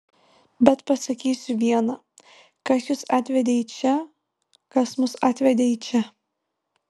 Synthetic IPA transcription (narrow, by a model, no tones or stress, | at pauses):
bʲɛt̪pɐsɐkʲiːsʲʊʋʲiɛnɑː | kɐsjʊsɑːt̪ʲʋʲɛd̪ʲeiːt͡ʃʲɛ | kɐsmʊsɑːt̪ʲʋʲɛd̪ʲeːiːt͡ʃʲɛ